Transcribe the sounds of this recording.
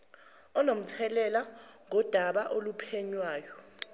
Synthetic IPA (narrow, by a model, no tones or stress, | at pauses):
ɔnom̩t͡sʰɛlɛlaŋɔd̥ʱaɓaʔolupʰeɲwaːjɔ